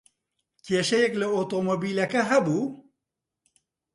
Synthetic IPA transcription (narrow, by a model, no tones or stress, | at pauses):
keːʃɛjɛklɨot̪omobiːlɐkɐɦɛbuː